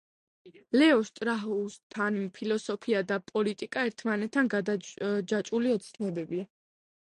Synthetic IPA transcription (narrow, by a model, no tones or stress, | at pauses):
lɛɔʃt̪ʼɾaɦust̪ʰanpʰilɔsɔpʰiad̪apʼɔlit̪ʼikʼaɛɾt̪ʰmanɛt̪ʰːanɡad͡ʒat͡ʃʼuliɔt̪sʰnɛbɛbia